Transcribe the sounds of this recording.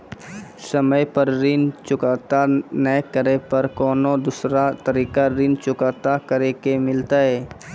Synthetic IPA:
səməjpəɾɾɪnt͡ʃʊkaːt̪anəkəɾepɐɾkɔːnod̪ʊsɾat̪əɾiːkaɾɪnt͡ʃʊkaːt̪akəɾekemɪlt̪aɦɛː

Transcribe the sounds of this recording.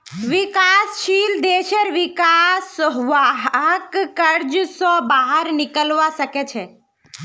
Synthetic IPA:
ʋɪkaːsʃiːld̪eːʃəɾʋɪkaːsʋaɦɦəkkəɾd͡ʒsɔbaːɦəɾnɪkəlʋasəket͡ʃʰe

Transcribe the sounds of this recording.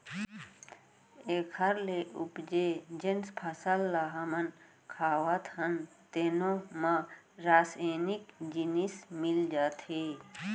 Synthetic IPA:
eːkʰəɾleʔupd͡ʒed͡ʒenspʰəsəlːaɦɐmən | kʰaːʋət̪ʰhənt̪eːnomã | ɾaːseːnikd͡ʒinismɪld͡ʒaːt̪ʰe

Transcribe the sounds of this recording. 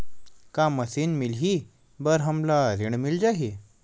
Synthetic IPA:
kaməsiːnmilɦi | bəɾɦəmlaɾiɳmild͡ʑaɦi

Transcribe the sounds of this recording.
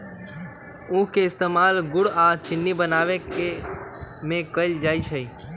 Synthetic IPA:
ũkeɪst̪emalɡʊɽat͡ʃɪnːibənaʋeke | mẽkəjld͡ʒajt͡ʃʰei

